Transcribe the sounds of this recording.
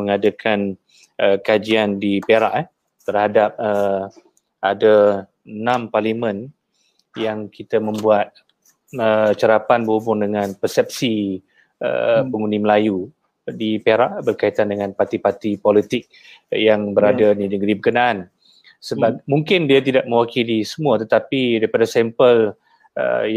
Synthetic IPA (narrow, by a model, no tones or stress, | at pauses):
məŋadakʰan | əkad͡ʒiandipeɾaʔ | t̪ərhadap̚ə | ʔada | nãmparlimə̃n | jaŋkit̪amə̃mbuat̪̚ | ət͡ʃəɾapanbəhubʊŋdəŋanpəsɛp̚si | ə̰pəŋundiməlaju | dipeɾaʔbərkait̪andəŋãnpart̪ipart̪ipɔlit̪ɪk̚ | jaŋbəɾadadinəɡɾibəkənaan | səbap̚muŋkɪndiat̪idaʔ̚mə̃wakilisəmuat̪ət̪apidaɾipadasɛmpəl | ə̰j